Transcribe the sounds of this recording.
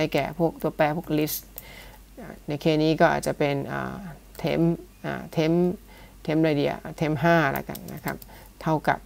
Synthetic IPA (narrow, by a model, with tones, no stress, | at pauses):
a˧˩jkɛ̰ː˨˩pʰu˥˩ək̚t̪u˧ɐpɛː˧pʰu˥˩ə˩k̚li˦˥st̪̚ | a˨˩na˧jkʰeː˧˩niː˦˥kɔː˥˩ʔa̰ː˨˩t̪̚t͡ɕa˨˩pe˧nʔə̰ː˨˩ | t̪ʰḛ˦˥mʔa̰ː˨˩t̪ʰe˦˥m | t̪ʰe˦˥mɾaː˧di˧ɐ̰ʔːt̪ʰe˦˥mɦaː˥˩la̰˧˥˩ka̰˧˩nna̰˦˥kʰa˦˥p̚ | t̪ʰa˥˩wka̰˨˩p̚